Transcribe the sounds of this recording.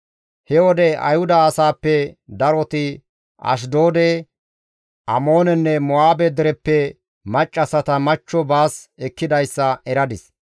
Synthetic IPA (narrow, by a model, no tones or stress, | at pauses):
hɛwɔd̪ɛʔɐ̰jhʊd̪ɐːsaːpːɛd̪ɐɾɔt̪ɪ | ʔɐ̰ʃ̬d̪oːd̪ɛ | ʔɐmoːnɛnːɛmʊaːbɛd̪ɛɾɛpːɛ | mɐt͡ʃʼːɐsɐt̪ɐmɐt͡ʃːɔbaːsɛkːɪd̪ɐjsːɐʔɛɾɐd̪ɪs